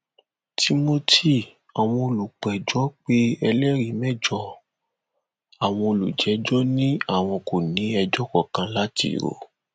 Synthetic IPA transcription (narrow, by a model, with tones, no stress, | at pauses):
ti˧mo˧tʰi˦˨ | a˨w̃ɔ̃˧o˧lu˨k͡pɛ˨d͡ʒɔ˨˦k͡pe˦ɛ˧lɛ˦ɾi˨˦mɛ˦˨d͡ʒɔ˧˦ | a˨w̃ɔ̃˧o˧lṵ˨d͡ʒɛ˨˦d͡ʒɔ˦nĩ˦a˦˨w̃ɔ̃˧ko˨nĩ˨˦ɛ˧d͡ʒɔ˦kɔ˦˨kã˧la˦tḭ˦˨ɾo̰˨